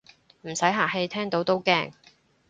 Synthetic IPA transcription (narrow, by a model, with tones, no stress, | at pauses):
m̩˨˩sɐ˨˥jɦaː˨˩ɦe˧˥jt̪ʰɛː˥ŋt̪o˨˥wt̪o˥wkɛː˥ŋ